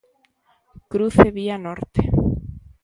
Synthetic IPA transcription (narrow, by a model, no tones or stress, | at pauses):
kɾuθeβianoɾt̪e̥